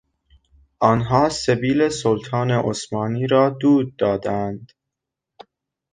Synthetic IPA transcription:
ʔɒːnɦɒːsebiːle̞solt̪ʰɑːneʔosmɑːniːɾɒːd̪uːd̪̚ːɒːd̪ænd̪̥

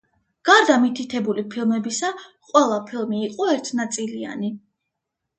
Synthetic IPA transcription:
ɡ̥aɾd̪amit̪ʰit̪ʰɛbulipʰilˠmɛbisaqʼwɛlˠapʰilˠmiːqʼɔɛɾt̪ʰnat̪sʼilia̰ni

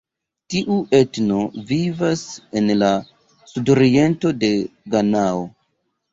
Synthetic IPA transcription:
tiʔuʔe̞tno̞vivase̞nla | sudo̞ɾie̞nto̞de̞ɡanao

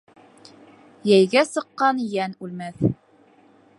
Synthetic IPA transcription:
jæjɡæsɤ̆qːɑnjænʉlmæθ

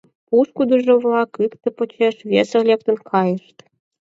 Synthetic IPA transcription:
puʃkud̪uʒŏβlɑkɯkt̪ə̆pŏt͡ɕeʃβʲesĕlʲep̚t̪ə̆nkʰɑjə̆ʃt̪

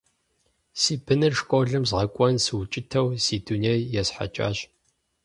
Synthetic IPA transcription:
siːb̥ɨnɨrʂkʷʼoːɮɨmzʁɐkʷʼɔnsɨwt͡ʃʼɪtʰɐwsiːduneːjjɛsħa̰t͡ʃʼa̰ːɕʼ

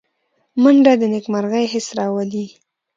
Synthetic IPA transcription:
maɳɖad̪ənekmaɾɣajɦɪsɾɑwad̪i

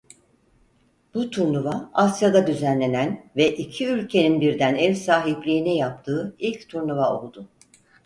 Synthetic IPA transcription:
b̥ut̪ʰuɾnuvaasjad̪ad̪yzænlʲe̞nænvɛʔicʰiylʲcʰe̞ninbiɾd̪ænɛvʲsaːɦiplʲiːnɛjap̚t̪ʰɯːilʲct̪ʰuɾnuvao̞̰lˠd̪ʊ

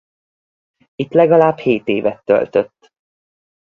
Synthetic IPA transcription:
it̪lɛɡɒlaːbheːt̪eːvɛt̪ːø̰lt̪øt̪ː

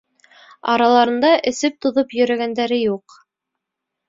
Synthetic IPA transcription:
ɑ̰ɾɑlˠɑɾɤ̆nd̪ɑʔɘ̆sɘp̚t̪ŏðopjɵ̆ɾæɡænd̪æɾɘjuq

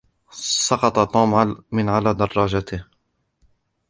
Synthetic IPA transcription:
sˤɑqɑt̪ˤɑt̪ˤuːmʕalmɪnʕalaːd̪ɑrˤːɑːd͡ʒat̪ɪh

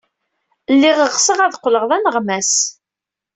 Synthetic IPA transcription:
lːiʁəʁsəʁæðqʷːləʁðænəʁmæs

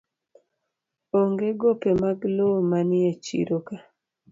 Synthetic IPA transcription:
oŋɡeɡopemaɡlomanɪet͡ʃḭɾoka

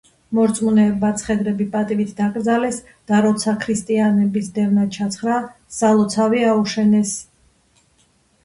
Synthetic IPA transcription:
mɔɾt̪sʼmunɛːbat̪sʰχɛd̪ɾɛbipʼat̪ʼivit̪ʰd̪akʼɾd̪zalɛs | d̪̥aɾɔt̪sʰakʰɾist̪ʼianɛbisd̪ɛvnat͡ʃʰat̪sʰχɾa | salˠɔt̪sʰaviauʃɛnɛs

